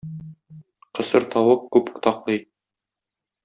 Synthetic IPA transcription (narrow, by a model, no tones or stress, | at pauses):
qɤ̆sɤɾt̪ɒwɤq̚kʉp̆t̪ɑqlˠɤj